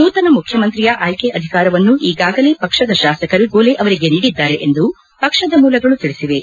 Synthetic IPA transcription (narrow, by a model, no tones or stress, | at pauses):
nuːt̪ɐnɐmukʰjɐmɐnt̪ɾijɐʔaːjkeʔɐd̪ʱikaːɾɐʋɐnːuʔiːɡaːɡɐle̞ːpɐkʂɐd̪ɐʃaːsɐkɐɾuɡoːleʔɐʋɐɾiɡe̞niːɽid̪ːaːɾe̞ʔend̪u | pɐkʂɐd̪ɐmuːlɐɡɐɭut̪iɭisiʋe̞